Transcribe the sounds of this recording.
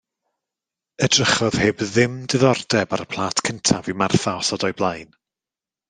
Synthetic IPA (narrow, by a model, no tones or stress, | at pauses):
ədrəχɔð̥heːbðɪmdɪðɔrdɛbaɾəpʰl̥ˠaːtkʰəntʰavimarθaɔsɔdɔjblˠajn